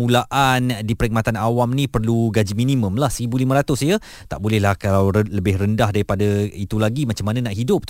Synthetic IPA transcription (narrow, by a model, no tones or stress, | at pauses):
mũlaʔandipəɾik̚mat̪anawamnĩpərluɡad͡ʒiminimə̃mlahsəɾibulimə̃ɾat̪ʊsjə | t̪aʔbolɛhlahkalawələbɪhrəndahdaɾipadait̪ulaɡimat͡ʃamːananaʔɦidʊp̚